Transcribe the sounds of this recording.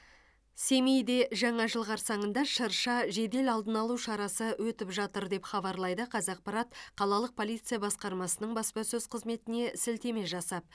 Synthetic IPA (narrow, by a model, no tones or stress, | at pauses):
se̞mejd̪e̞ʒɑɴɑʒəlˠʁɑɾsɑɴənd̪ɑʃəɾʃɑʒe̞d̪e̞lɑlˠd̪ənɑlˠuʃɑɾɑsəwɵt̪ɪpʒɑt̪əɾd̪e̞pχɑbɑɾlˠɑjd̪əqʰɑzɑq̚pɑɾɑt̪̚qʰɑlˠɑlˠəq̚pʰo̞lˠijt̪sɨjabɑsqɑɾmɑsənəɴbɑspɑsɵzqʰəzme̞t̪ɪne̞sɪlt̪e̞me̞ʒɑsɑp̚